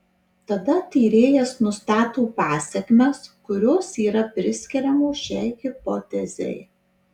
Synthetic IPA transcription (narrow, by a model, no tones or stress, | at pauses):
t̪ɐd̪ɐt̪ʲiːɾʲeːjɛsnʊst̪ɑːt̪oːpɑːsʲɛkʲmʲɛskʊɾʲoːsiːɾɐpʲɾʲɪsʲkʲɛɾʲɛmoːʃʲɛɪhɪpɔt̪ʲɛzʲɛ̰ɪ